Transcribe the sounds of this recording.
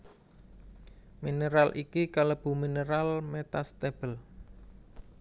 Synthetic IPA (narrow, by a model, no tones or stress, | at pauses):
mineɾalʔikikaləb̥ṳmineɾalmet̪ast̪eb̥əl